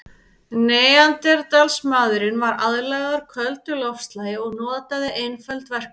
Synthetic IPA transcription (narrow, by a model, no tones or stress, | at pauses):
neːjant̪ɛɾt̪alsmaːðɾɪnvaɾaðlɛɣaðʏɾ̥kʰœlt̪ʏlɔfst̪laːjɪɔɣnɔːt̪aðɪʔejnfɛlt̪vɛr̥k